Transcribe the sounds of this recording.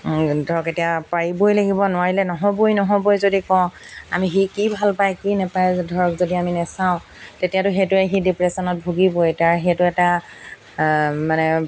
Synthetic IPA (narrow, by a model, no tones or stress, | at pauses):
dʱɔɹɔketijapaɹibojlaɡibɔnʊwaɹilɛnɔɦɔbojnɔɦɔbojzodikɔ̃ʊ̃a̰mixikibʱalpajkinɛpajdʱɔɹɔkzodiaminɛsaʊ̃ | tetijatʊxetʊɛɦidipɹɛsɔnɔt̚bʱuɡibojtaɹɦɛtʊɛta | manɛ